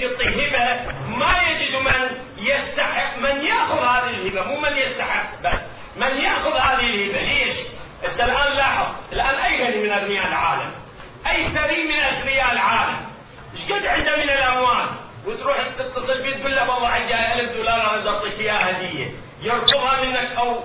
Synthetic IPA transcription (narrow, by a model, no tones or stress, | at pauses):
ɨt̪ˤːiɦɪbamajad͡ʒɪd̪mɪn | jɪst̪aħɪʔmɪnjaʔxʊðhaːðɪɪlhɪbamuːmɪnjɪst̪aħɪqːbasː | mɪnjaʔxʊðhaːðɪhɪlhɪbaleːʃ | ʔɪd̪ːalʔaːnlaħðˤɪlʔaːnʔajːɣanimɪnarnɪjaːʔɪlʕaːla̰m | ʔajːθaɾiːmɪnaɾɪjaːʔɪlʕaːla̰m | ɪʃɡɪd̪ʕɪnd̪amɪnɪlʔamwaːl | wɪt̪ɾuːħɪt̪ːɪt̪ːɑsˤɨlbiːt̪̚ɡuːlːawɑðˤːɑʕɪd͡ʒaːʔalfd̪uːlɑːɾˤʔaːnad̪ɑɾˤt̪ˤiːkɪjaːhad̪ɪjːa̰ | jɪɾt̪ʊbhamɪnːakʔaw